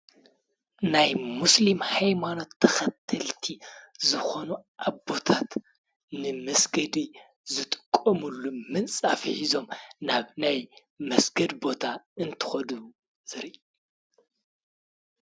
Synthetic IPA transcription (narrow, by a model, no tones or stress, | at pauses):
najmuslimhajmano̞t̪ʰːɐxɐt̪ʰːɐlt̪ʰizɨxo̞nuʔaβbo̞t̪ʰat̪ | nɨmɐsɡɐd̪i | zɨt̪ʼɨkʼːɐmulːumɨnt͡sʼafiħizo̞mnaβnaj | mɐsɡɐd̪bo̞t̪ʰaɨnt̪ʰɨ̥xɐd̪u | z̥ɨɾiʔ